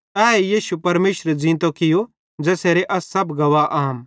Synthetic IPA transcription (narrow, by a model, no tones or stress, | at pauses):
ɛːejiːʃupɐɾmeːʃɾed͡zĩːnt̪̬okɪjo | d͡ʒɛːseːɾeʔɐsːɐbɡɐʋaʔaːm